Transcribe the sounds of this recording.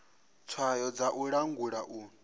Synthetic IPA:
t͡sʰwajɔd͡zaʔuɺaŋɡuɺaʔuːn

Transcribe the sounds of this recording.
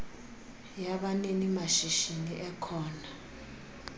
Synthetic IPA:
jaɓanenimaʃiʃiniʔɛkʰɔːna

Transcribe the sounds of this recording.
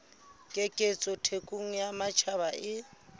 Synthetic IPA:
kʼekʼet͡sʼɔtʰekʼuŋ̩jamat͡ʃʰaβaʔɪ

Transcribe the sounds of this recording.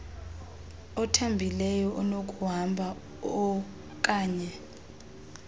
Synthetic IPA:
ɔtʰambʱilɛjɔʔɔnokʼuɦambʱa | ɔ | kʼaːɲɛ

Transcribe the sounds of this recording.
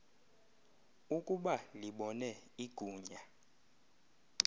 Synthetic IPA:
ukʼuɓaliɓɔnɛiɡ̥ʱuːɲa

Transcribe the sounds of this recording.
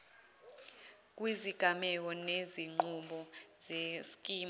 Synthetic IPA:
k̬ʼwiziɡ̥ʱamɛk̬ɔneziŋ͡ǃuɓɔzeskʼiːm

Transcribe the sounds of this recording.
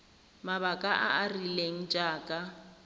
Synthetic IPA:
maβakʼaʔaarileŋ̩d͡ʒʼaːkʼa

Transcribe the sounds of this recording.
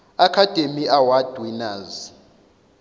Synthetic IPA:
akʰad̥ʱemiʔawad̥ʱwinaːz

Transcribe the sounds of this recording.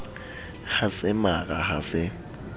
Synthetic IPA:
hasɪmaɣʼahasɪ

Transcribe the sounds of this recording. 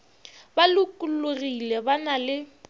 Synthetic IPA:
balʊkʼullʊrilɛbanalɪ

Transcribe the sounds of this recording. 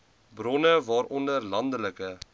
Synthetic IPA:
brɔnəvɑːɾʔɔndərlɐndələkə

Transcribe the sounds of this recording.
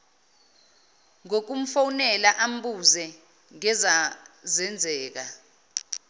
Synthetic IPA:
ŋok̬um̩fawnɛlaʔam̩ɓuzɛ | ŋɛzazɛnd͡zʱɛːk̬a

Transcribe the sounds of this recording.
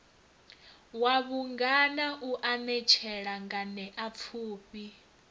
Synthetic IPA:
waβuŋɡanaʔuʔanɛt͡ʃʰɛɺaŋɡanɛʔap̪fʰuːpi

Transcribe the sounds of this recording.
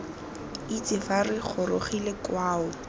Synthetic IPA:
it͡sʼɪfarɪχʰʊɾoχilekwaːʊ

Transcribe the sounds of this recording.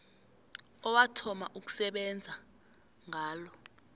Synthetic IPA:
ɔwatʰɔma̰ʔuk̬u̥sɛɓɛnd͡zʱa | ŋaːlɔ

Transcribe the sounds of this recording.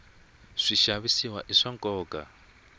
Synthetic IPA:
ʂiʃaβisiwaʔiʂaŋkʼɔːkʼa

